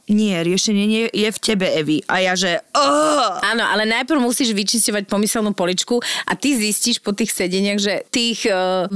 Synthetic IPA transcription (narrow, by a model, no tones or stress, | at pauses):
ɲɪɛɾɪɛʃɛɲɪɛɲɪɛjɛfcɛbɛɛʋiʔa̰jaʒɛɔʔaːnɔʔalɛnajpɾ̩ʊmusiːʒʋit͡ʃiscɔʋac̚pɔmisɛlnuːpɔlit͡ʃkuʔa̰t̪izisciːʃpɔt̪iːxsɛɟɛɲɪaɣʒɛt̪iːx